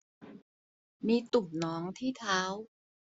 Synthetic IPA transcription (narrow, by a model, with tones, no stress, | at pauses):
miː˧t̪u˨˩p̚nɔː˦˥ŋt̪ʰiː˥˩t̪ʰaː˦˥w